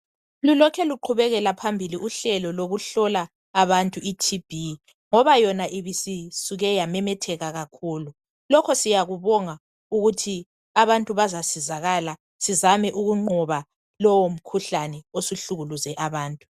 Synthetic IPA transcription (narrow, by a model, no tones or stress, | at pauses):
lulɔkʰɛluǃʰuβɛɣɛlapʰambʱiliʔuɬɛlɔloɣuɬɔlaː | βantʼuitʰib̥ʱi | ŋɔβajɔnaʔiβisisuɣɛjamɛmɛtʰɛɣaɣakʰuːlu | lɔkʰɔsijaɣuβɔŋa | uɣutʰi | aβantʼuβazasizaɣala | sizamɛʔuɣuŋ͡ǃɔβa | lɔwom̩kʰuɬanɛosuɬuɣuluzɛʔaβaːntʼu̥